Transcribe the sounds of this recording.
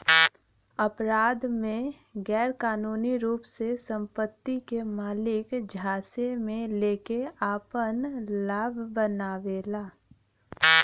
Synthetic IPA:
əpɾaːd̪mẽ | ɡɛːɾkaːnuːniɾuːpsesə̃mpət̪ːikemaːlɪkd͡ʒʱaːsemẽleːkeaːpənlaːbʱbənaːʋeːlaː

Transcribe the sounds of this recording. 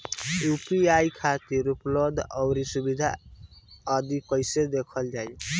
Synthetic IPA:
upiajkʰat̪iɾuplod̪ʌwɾisubid̪ʱa̰ | əd̪ikʌjsed̪ekʰʌld͡ʒaj

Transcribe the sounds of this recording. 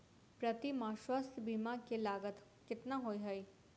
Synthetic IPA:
pɾət̪imãːʃwast̪biːmãkelaːɡət̪ | kɪt̪naɦoːiɦɐi

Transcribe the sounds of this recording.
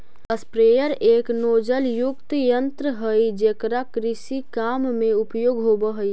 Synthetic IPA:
əspɾeːjəɾeːknoːd͡ʒəljʊkt̪jənt̪ɾəɦəid͡ʒekɾakɾɪsikaːmmẽʊpjoːɡɦoːbəɦəi

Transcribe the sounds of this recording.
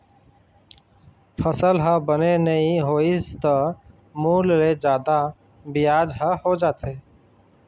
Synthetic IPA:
pʰəsəlɦəbənenəɦĩɦoːizt̪ə | muːlːed͡ʒjaːd̪a | bɪjaːd͡ʒɦəhod͡ʒaːt̪ʰeː

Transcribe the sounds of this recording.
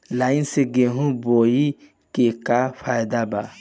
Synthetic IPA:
laĩnseɡeɦũboi | kekafajd̪aba

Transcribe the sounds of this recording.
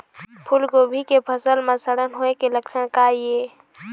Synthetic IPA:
pʰʊlkobʱikepʰəsəlmẽsəɽənɦoekeləkʃəɽ̃kaːijeː

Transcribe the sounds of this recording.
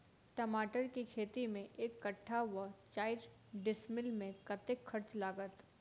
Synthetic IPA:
ʈɐmaːʈəɾkikʰeːt̪imẽʔeːkːɐʈʰːaʋət͡ʃaːɪɾ | ɖɪsmɪlmẽkɐt̪ekxʰɐɾt͡ʃlaːɡət̪

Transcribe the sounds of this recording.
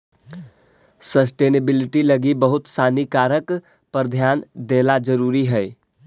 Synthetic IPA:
səs̬ʈeːnəbilɪʈiləɡibəɦʊt̪saːnikaːɾək | pəɾd̪ʱjaːnd̪elad͡ʒəɾuɾiɦɛɪ

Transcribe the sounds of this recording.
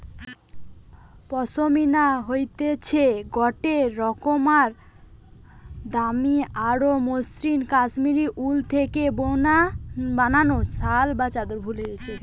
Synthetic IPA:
pɔsominaɦojt̪et͡ɕʰeɡɔʈeːɔkomaɾ | d̪amiaɽomosɾinkasmiɾiʔult̪ʰekebonabananosalbat͡ɕad̪oɾbʱuled̪et͡ɕʰe

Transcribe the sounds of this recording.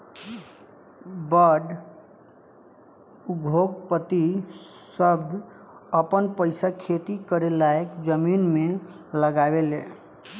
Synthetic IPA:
bəɖ | uɡʱok̚pət̪i | səbʱ | əpənpəɪsakʰet̪ikəɾelaekd͡ʒəminme | ləɡabele

